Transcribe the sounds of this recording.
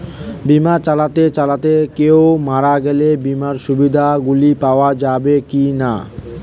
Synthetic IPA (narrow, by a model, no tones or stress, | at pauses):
bimaɾt͡ɕalat̪et͡ɕalat̪ekeomaɾaɡɛlebimaɾʃubid̪ʱaɡulipaoad͡ʑabekina̰